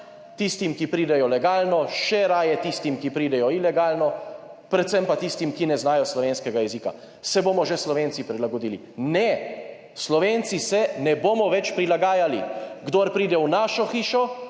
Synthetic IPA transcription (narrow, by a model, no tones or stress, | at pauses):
t̪ist̪imkipɾiːd̪ɛjɔlɛɡaːlnɔʃɛɾaːjɛt̪ist̪imkipɾiːd̪ɛjɔilɛɡaːlnɔ | pɾɛt̪t̪sɛmpat̪ist̪imkinɛznaːjɔslɔʋeːnskɛɡajɛziːka̰ | sɛboːmɔʒɛslɔʋeːnt̪sipɾilaɡɔd̪iːli | nɛ | slɔʋent̪sisɛnɛboːmɔʋɛt͡ʃpɾilaɡaːjaliɡd̪oːɾpɾiːd̪ɛwnaːʃɔxiːʃɔ